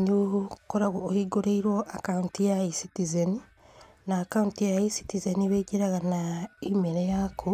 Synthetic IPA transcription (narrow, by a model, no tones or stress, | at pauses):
ɲukoɾaɣoːhiɡoɾeiɾwoʔakauntijaisitizeni | naːkauntijaisi̥tizeniβeiɟeɾaɣanaimeɾejakʰo